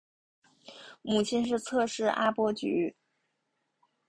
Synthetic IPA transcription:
mu˨˩t͡ɕʰɛ˥nʂ̬ɻ̩˥˧t͡sʰɤ˥˧ʂɻ̩˥˩ʔa˥pwɔ˥t͡ɕy̰˧˥

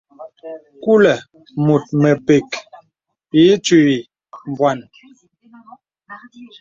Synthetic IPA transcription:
ku˦lɛ˨ | mu˨t̚mɛ˨pe˨k | i˨˦t͡ʃi˦˨wi˨ | m˨bwa˨n

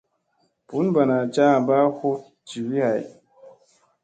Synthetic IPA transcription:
pu˨˦nba˨na˨t͡ʃa˦˨ba˦ho˦ | t͡ʃi˨wi˦ha˨j

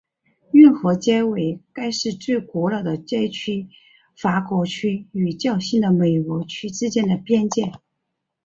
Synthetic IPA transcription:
y˥˩nxɔ˧˥t͡ɕjɛ˥ɪwe˨˩ɪka˥ɪʂɻ̩˥˧t͡swe˥˩ɪkwɔ˧˥lɑ˨˩d̪ə˨˩t͡ɕjɛ˥ɪt͡ɕʰy˥ | fa˧˥kwɔ˧˥t͡ɕʰy˥y˨˩t͡ɕjɑ˥˩˧ʊɕi˥˩nd̪ə˩me˨˩ɪkwɔ˧˥t͡ɕʰy˥ʈ͡ʂɻ̩˥t͡ɕjɛ˥nd̪ə˨pjɛ˥˧nt͡ɕjɛ˥˩n

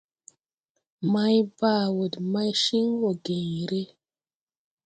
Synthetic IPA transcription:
ma˦jba˦˨wu˨dma˦jʃi˦ŋwo˨ɡe˨ɲ˨ɾe˦

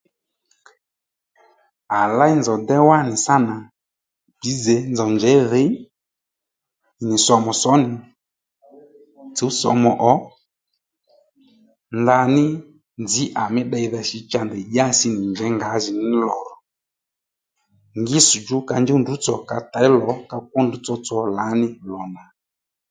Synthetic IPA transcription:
a˨la˦i˦nzɔ˨dɛ˦wa˦nɪ˨sa˦na˨ | pi˨˦zɛ˨˦nzɔ˨nd͡ʒɛ˨˦ðe˨˦˨ | nɪ˨sɔ˧mɔ˨sɔ˨˦nɪ˨ | t͡su˨˦sɔ̰˨˧mɔ˨ʔɔ˨˦ | nda˧nɪ˦ | nd͡zɪ˨˦ʔa˨mɪ˦ɗa˧i˧ðɛ˧ʃi˧t͡ʃa˧ndɛ˨ʄa˦sɪ˧nɪ˨ɲd͡ʒɛ˨˦ŋɡa˨˦ʒi˨nɪ˦lɔ˨ɾɔ˨ | ŋɡɪ˦su˨d͡ʒu˦ka˧nd͡ʒɛ˦ndu˨˦t͡sɔ˨ka˨ta˨ɪ˦lɔ˨˦ka˧k̚ɔ˦ndu˨˦t͡sɔ˧t͡sɔ˨la˨˦nɪ˦lɔ˨na˨

